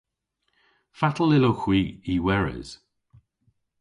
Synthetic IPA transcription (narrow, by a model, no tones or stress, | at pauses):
fatʰəl̩ˠɪloxw̥iːiwɛɹɪ̰z̥